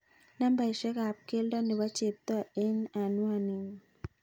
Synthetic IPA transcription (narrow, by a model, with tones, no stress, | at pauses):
na˦mba˨i˨ʃɛ˦ka˨p̚ke˦ldɔ˦ne˨wa˦t͡ʃe˨p̚t̪ɔ˦e˦na˨nwa˨ni˨ŋ